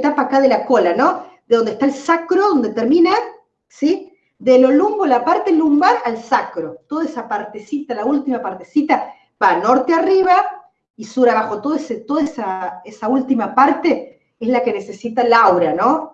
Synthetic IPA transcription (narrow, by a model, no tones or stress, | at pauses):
t̪apaːkaðelako̞lanõ̞ðeðo̞nd̪ehst̪aelsakɾoðo̞nd̪et̪eɾmĩna | si | ðelo̞lumbolapaɾt̪elumbaɾalsakɾo̞t̪oðaesapaɾt̪esit̪alault̪imapaɾt̪esit̪a | bano̞ɾt̪eariβa | isuɾaβaxo̞t̪oðeset̪oðaesaesault̪imapaɾt̪e | ezlake̞ne̞se̞sit̪alawɾano